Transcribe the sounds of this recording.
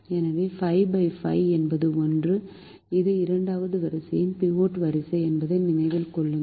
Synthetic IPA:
ɛnɐʋeːfɐɪbɐɪfɐ̰ɪɛnbɐðɯɔndrɯ | ɪðɯɪɾɐɳɖaːʋɐðɯʋɐɾɐsɐjɪmpioːʈʋɐɾɪsɐɪɛnbɐðɐɪnɪnɐɪʋɪlkɔɭːɯ

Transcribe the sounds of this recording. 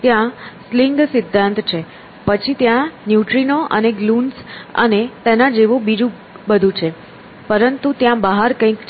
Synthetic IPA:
t̪jãsliŋɡsɪd̪ʱːãnt̪t͡ʃʰe | pət͡ʃʰit̪jãnjuʈɾinoʔə̰neɡlunsə̰net̪enad͡ʒeʋõbid͡ʒũ | bəd̪ʱũt͡ʃʰe | pəɾənt̪ut̪jãbəɦaɾkə̃ĩk

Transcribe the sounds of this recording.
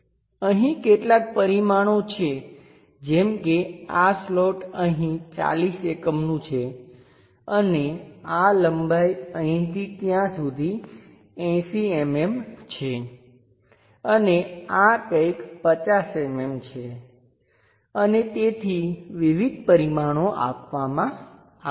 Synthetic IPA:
əɦĩkeʈlak̚pəɾimaɽ̃ot͡ʃʰe | d͡ʒemkeasloʈəɦĩt͡ʃa̰lisekəmnũt͡ʃʰe | ənealəmbʱajəɦĩt̪it̪jãsud̪ʱi | ɛ̃siememt͡ʃʰe | əneakəkpət͡ʃasememt͡ʃʰe | ənet̪et̪ʰiʋiʋid̪̚ʱpəɾimaɽ̃oʔa̰pʋamã | a

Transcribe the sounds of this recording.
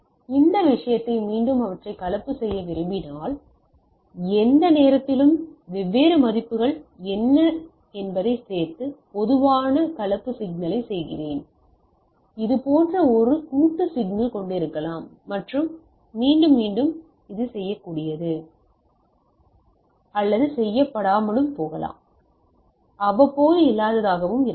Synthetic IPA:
ɪnd̪ɐʋɪʂɐjɐt̪ːɐɪmiːɳɖɯmɐʋɐʈrɐɪkɐlɐpːɯsɛjːɐʋɪɾɯmbɪnaːl | ɛnd̪ɐneːɾɐt̪ːɪlɯmʋɛʋːeːɾɐmɐðɪpːɯɣɐɭɛnːɐ | ɛnbɐðɐɪseːɾt̪ɯpɔðɯʋaːnɐkɐlɐpːɯsɪɡ̚nɐlɐɪsɛjɣɪ̰reːn | ɪðɯpoːndrɐɔɾɯkuːʈːɯsɪɡnɐlkɔɳɖɪɾɯkːɐlaːmːɐʈrɯmː | iːɳɖɯmːiːɳɖɯm | ɪðɯsɛjːɐkːuːɽɪjɐðɯ | ɐlːɐðɯsɛjːɐpːɐɽaːmɐɭɯmpoːɣɐla̰ːm | ɐʋɐpːoːjɪlːaːðɐðaːɣɐʋɯmɪ

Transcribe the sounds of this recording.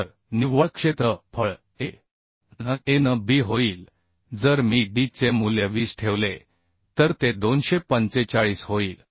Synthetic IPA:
əɾ | niʋʋəkʂet̪ɾəpʰəɭ | e | əenəbʱiɦoiːl | d͡zəɾmiɖit͡semuljəʋiːsʈʰeʋle | t̪əɾt̪ed̪onɕepənt͡set͡ɕaɭiːsɦoiːl

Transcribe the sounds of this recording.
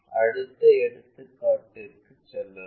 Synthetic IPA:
ɐɽɯt̪ːɐɛɽɯt̪ːɯkːaːʈːɪɾkːɯt͡ʃːɛlːɐ

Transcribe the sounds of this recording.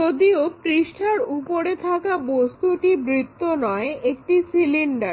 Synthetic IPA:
od̪iopɾiʃʈʰaɾupoɾet̪ʰakabost̪uʈibɾit̪ːonɔeek̚ʈisiliɳɖaɾ

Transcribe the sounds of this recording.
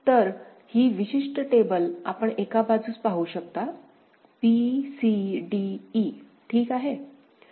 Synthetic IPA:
t̪əɾ | hiːʋiɕiʂʈəʈebəla̰pəɳekabad͡zuːt͡spaɦuːɕək̚t̪a | pisiɖiː | ʈʰiːkaɦe

